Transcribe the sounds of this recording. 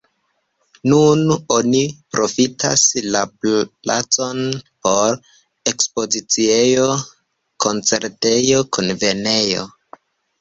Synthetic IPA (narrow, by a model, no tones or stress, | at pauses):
nuno̞nipɾo̞fitʰa̰slaplla̰t͡so̞npo̞ɾ | e̞kspo̞zit͡sie̞jo̞ | ko̞nt͡se̞ɾte̞jokʰunve̞ne̞jo̞̰